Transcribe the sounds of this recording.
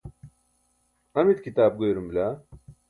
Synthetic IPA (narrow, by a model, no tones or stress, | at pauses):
ɐmit̪kit̪aːb̚ɡojɾumbla